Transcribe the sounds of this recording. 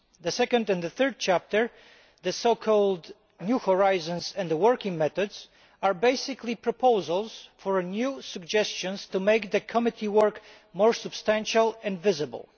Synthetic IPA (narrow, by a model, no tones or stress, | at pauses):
ðɨsɛkə̃ndɛ̃nðəθɜ˞d̚t͡ʃʰæp̚təɹ | ðəsoʊkʰɔlˠd | njuhɔɹaɪzə̃nzɛ̃ndðəwɜɹkɪ̃ŋmɛθɔdz̥ | aɹbeɪsɪkʰlipʰɹɔpʰoʊzəlˠz̥fɔɹnjusəɡ̚d͡ʒɛst͡ʃɨ̃nstumeɪkðɨkʰɔmɪtʰiwəɹk | mɔɹsɨb̥stæ̃nʃəlˠɛ̃nvɪzɨbə̰l̩ˠ